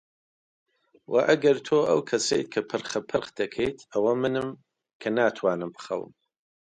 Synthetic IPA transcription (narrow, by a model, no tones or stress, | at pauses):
wʔaʔɐɡɐɾt̪ʰoːa̰wkʰɐsḛjt̪̚kʰɐpʰɨrχɐpʰɨɾχd̪ɐkʰejt̪ʰɐwɐmɨnɨm | kʰɐnaːt̪ʰwaːnɨmpχɐ̰wə̰m